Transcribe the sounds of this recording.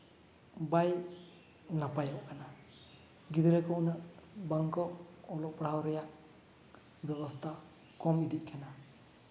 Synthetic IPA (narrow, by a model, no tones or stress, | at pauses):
baj | napajɔʔkana | ɡid̪iɾakɔʔnɯʔbaŋkɔɔlɔk̚pɽawɾɛjaʔ | bjɛβɔst̪ʰa | kɔmid̪iʔ̚kʰana